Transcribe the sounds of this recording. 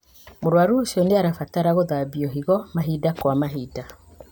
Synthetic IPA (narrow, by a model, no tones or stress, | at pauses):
moɾwaɾoːsiɔneaɾafataɾaɣoðabiɔɦiɣɔmaɦidakwamaɦiːda